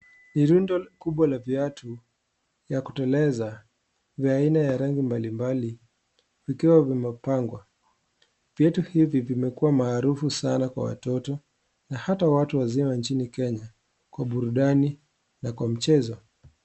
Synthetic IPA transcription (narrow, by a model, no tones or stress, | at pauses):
niɾundɔkuɓwalaviatʰu | jaku̥tɛlɛza | vainajaɾaŋɡimbalimbali | vikiwavimɛpaŋɡwa | vjɛtuhivivimɛkuwamaːɾufusanakwa̰wa̰tɔtɔ | nahatawatuwazimant͡ʃinikɛɲa | kwaɓuɾuɗani | nakwam̩t͡ʃɛzɔ